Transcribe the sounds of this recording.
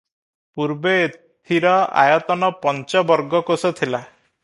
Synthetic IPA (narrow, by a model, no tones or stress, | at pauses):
puɾbeːt̪ʰiɾɔa̰jɔt̪ɔnɔpɔnt͡ʃɔbɔɾɡɔkosɔt̪ʰila